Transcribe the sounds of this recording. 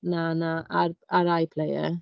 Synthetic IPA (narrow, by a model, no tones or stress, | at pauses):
nanãaɾaɾaːjpʰlejə̰